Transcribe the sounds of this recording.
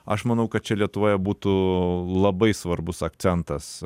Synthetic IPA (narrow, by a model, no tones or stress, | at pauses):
ɐ̰ʃmɐnɐʊkɐt̪̚t͡ʃʲɛlʲiɛt̪ʊʋoːjɛbuːt̪ulˠɐbɐɪsʋɐrbʊsɐk̚t̪sʲɛnt̪ɐs